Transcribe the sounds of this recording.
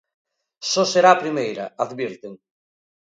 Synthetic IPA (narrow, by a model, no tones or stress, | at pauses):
sɔseɾaːpɾimejɾɐaðβiɾt̪eŋ